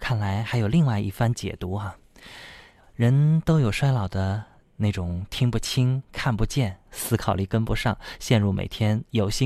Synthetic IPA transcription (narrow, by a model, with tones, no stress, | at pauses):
kʰa˥˩nla˧˥ɪxa˧˥ɪjo˨˩ʊli˥˧ŋwa˥˧ɪʔḭ˥˩fa˥nt͡ɕjɛ̰˨˩t̪u˧˥ɐ˧ | ɻə˧˥nt̪o˥ʊjo˨˩ʊʂwa˥ɪlɑ˨˩ʊd̪ə˦ | ne˥˩ɪʈ͡ʂʊ˨˩ŋt̪ʰi˥ŋpu˥˧t͡ɕʰi˥ŋkʰa˥˩npu˧˥t͡ɕjɛ˥˩nsɹ̩˥kʰɑ˨˩ʊli˥˩kə˥npu˥ʂɑ˥˩ŋɕjɛ˥˧nɻu˥˩mḛ˨˩ɪt̪ʰjɛ˥njo˧˥ʊɕi˥